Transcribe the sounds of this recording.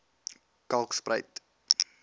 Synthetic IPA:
kɐlˠksprəjt

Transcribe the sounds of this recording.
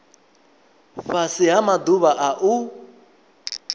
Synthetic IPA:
fasiɦamad̪uβaʔaʔu

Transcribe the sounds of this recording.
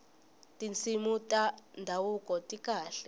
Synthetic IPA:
tint͡sʰimutʼandʱawukɔtikaːɬɛ

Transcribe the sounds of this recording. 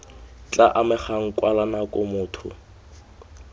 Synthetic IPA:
t͡ɬaʔamɪχaŋ̩kʼwalanakʼʊmʊːtʰʊ̰

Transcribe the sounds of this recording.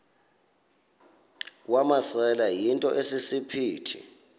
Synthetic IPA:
wamasɛlajintʼɔ̰ʔesisipʰiːtʰḭ

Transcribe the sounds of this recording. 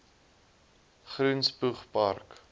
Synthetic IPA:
χrunspuχpɐrk

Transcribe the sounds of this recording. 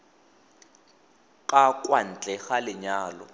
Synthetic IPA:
kʼakʼwan̩t͡ɬʼɛɣalɪɲaːlɔ̰

